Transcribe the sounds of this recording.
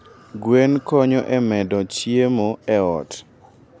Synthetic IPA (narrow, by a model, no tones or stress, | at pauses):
ɡwenkɔɲoʔɛmɛdɔt͡ʃiemoɛɔt